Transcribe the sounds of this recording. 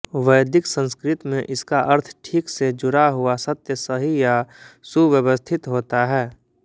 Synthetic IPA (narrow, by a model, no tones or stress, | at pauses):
ʋəjd̪ɪksə̃nskɾɪt̪mẽʔɪskaʔɐɾt̪ʰʈʰiːksed͡ʒʊɾaɦʊasɐt̪jəsəɦijasuʋjəwəst̪ʰɪt̪ɦoːt̪aɦɛː